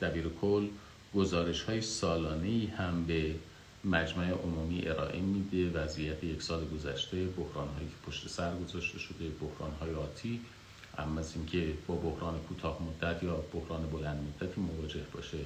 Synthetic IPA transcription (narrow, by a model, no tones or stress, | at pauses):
d̪̥æbiːɾekʰolː | ɡ̥ozɒːɾe̞ʃhɒːjesɒːlɒːne̞iːhæmbe̞ | mæd͡ʒmæeʔomuːmiːʔe̞ɾɒ̰ːʔe̞miːd̪evæzijæt̪ʰejecʰsɒːleɡo̞zæʃt̪e̞bohɾɒːnhɦɒːjiːcʰe̥pʰoʃt̪e̞sæɾɡo̞zɒːʃt̪e̞ʃo̞d̪e̞bohɾɒ̰ːnɦɒːjeɒːt̪ʰiː | ʔæ̰mːæziːŋcʰe̞bɒːbohɾɒːnekʰuːt̪ʰɒːhmod̪ːæt̪ʰjɒːb̥ohɾɒːnebo̞lænd̪mod̪ːæt̪ʰiːmo̞vɒːd͡ʒe̞hbɒ̰ːʃe